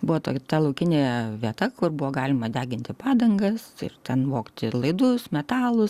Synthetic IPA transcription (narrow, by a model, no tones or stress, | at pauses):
bʊʋɔt̪oːkʲt̪ɛlˠɐʊkʲɪnʲejɛʋʲiɛt̪ɐkʊrbʊʋoːɡɑːlʲɪmɐd̪ʲæːɡʲɪnʲt̪ʲɪpɑːd̪ɐŋɡɐsɪ̰rt̪ʲɛnʋoːkt̪ʲɪlˠɐɪd̪ʊsmʲɛt̪ɑːlˠʊs